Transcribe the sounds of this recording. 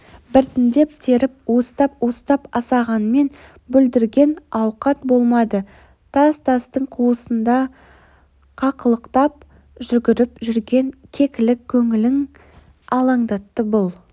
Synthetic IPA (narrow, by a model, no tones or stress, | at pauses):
bɪɾt̪ɪnd̪e̞p̚t̪ʰe̞ɾɪp̚wo̞st̪ɑp̚wo̞st̪ɑpɑsɑʁɑnəme̞n | bɵld̪ɪɾɡʲe̞nɑwqɑt̪bo̞lˠmɑd̪ə | t̪ʰɑzt̪ʰɑst̪əɴqʰuwəsənd̪ɑ | qʰɑqəlˠəqt̪ɑp̚ | ʒʏɡʲɪɾɪpʒʏɾɡʲe̞ŋkʲʰe̞kʲɪlɪkʲʰːɵŋɪlɪŋ | ɑlˠɑɴd̪ɑt̪ːəbʊlˠ